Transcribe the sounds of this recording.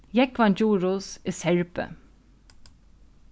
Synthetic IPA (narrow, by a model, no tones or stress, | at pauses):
jɛkʋɑnd͡ʒuːɹuːseːsɛɹpə̰